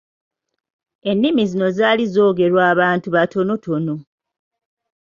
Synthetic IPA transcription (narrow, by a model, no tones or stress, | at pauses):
e̞nːimizino̞zaːlizo̞ːɡe̞ɾwaːβaːntuβatʰo̞no̞tʰo̞no̞